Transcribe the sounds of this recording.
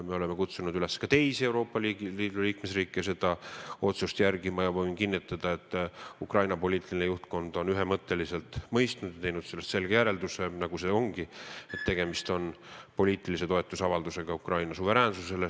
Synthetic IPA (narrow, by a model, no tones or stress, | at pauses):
me̞o̞leme̞kut̪sunud̪yleskɑt̪e̞jsie̞wɾo̞ːpːˑɑliliːd̪̥uliːkme̞sriːkːˑese̞d̪̥ɑo̞t̪sust̪jærɡimɑjɑvovinkinːit̪ːˑɑd̪̥ɑe̞t̪ːukrɑjnɑpo̞lʲiːt̪ˑilʲinejuht̪ko̞nd̪̥o̞nyɦemɤt̪ːe̞lise̞lt̪ˑmɤjst̪nud̪̥jɑt̪e̞jnud̪̥se̞lːest̪se̞lɡ̥ejæɾe̞ld̪use̞nɑɡ̥use̞o̞ŋɡ̥ie̞t̪ːe̞ɡ̥e̞mist̪o̞npo̞lʲiːt̪ˑilise̞t̪oe̞t̪ːˑusɑvɑld̪use̞ɡ̥ɑukrɑjnɑsuve̞ɾæːnsuse̞le